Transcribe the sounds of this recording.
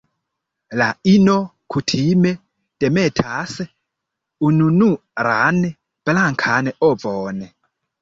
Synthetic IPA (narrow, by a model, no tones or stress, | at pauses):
lainɔ | kʰutʰimɛ | d̥ɛmɛtʰasɛ | ununuɾanɛ | b̥laŋkʰanɛʔɔbvɔːnɛ